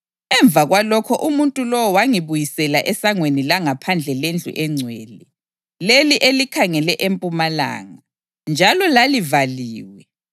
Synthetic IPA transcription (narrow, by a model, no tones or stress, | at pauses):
ɛɱb̪vʱaɣwalɔkʰɔʔumuntʼulɔwɔwaŋiβujisɛlaʔɛsaŋwenilaŋapʰand͡ɮʱɛlend͡ɮʱṵʔɛŋ͡ǀʱwɛːlɛ | leliʔelikʰaŋɛlɛʔempʼumala̰ːŋa | nd͡ʒʱalɔlalivaliːwɛ